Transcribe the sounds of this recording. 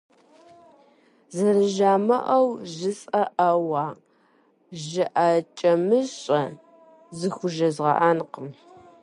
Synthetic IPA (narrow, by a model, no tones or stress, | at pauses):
zɐrɨʒaːmɐ̰ʔɐwʒɨsʼɐʔɐwɑː | ʒɪʔaːt͡ʃʼɐmɨɕʼɐ | zɨxʷʊʒɐzʁɐ̰ʔaːnqəm